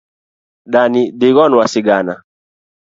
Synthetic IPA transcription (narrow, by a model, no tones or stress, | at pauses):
ɗanidiɣɔnwasiɡana